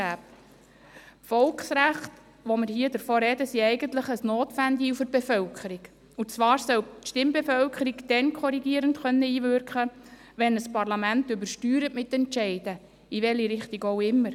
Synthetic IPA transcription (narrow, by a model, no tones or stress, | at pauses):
æːp | fɔlksɾæχt | ʋomɪɾhiːədəɾfoːɾɛdəsiɛɪɡənt̪ləχəsnoːt̪ʋænd̪iufɨɾb̥efœlkʰəɾiɡ | ut͡sʋɑːɾsœtʃtɪmbefœlkʰəɾiɡd̥ɛnkʰɔɾiɡiːəɾəntχœnːəiːʋʏɾkχə | ʋɛnəspɑɾlɑmæntʏbəɾʃtyːɾəʔmɪt̪ːɛntt͡ʃɛɪd̥ə | iʋɛliɾɪχtiɡowɪmːəɾ